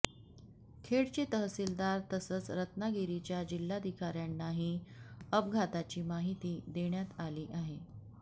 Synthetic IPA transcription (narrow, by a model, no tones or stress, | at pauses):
kʰeɽt͡ɕiːt̪əɦsiːld̪aɾt̪əsəːt͡sɾət̪naɡiɾit͡ɕjad͡ʑilːad̪ʱikaɾjanːaɦiːəpɡʱat̪at͡ɕiːmaɦit̪iːd̪eɳjat̪aliːʔaɦe